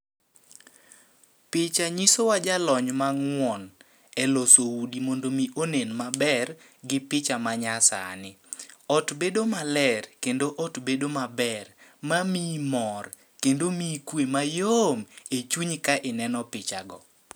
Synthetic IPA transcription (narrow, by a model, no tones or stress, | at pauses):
pɪt͡ʃaɲisowad͡ʒalɔɲmaŋwɔn | ɛlosowudimondomiʔonenmabɛr | ɡɪpɪt͡ʃamaɲasa̰nɪ | ɔtbedomalɛrkendoʔɔtbedomabɛrmamimɔr | kendomikwemajomet͡ʃuɲkaʔɪnɛnɔpɪt͡ʃaɡɔ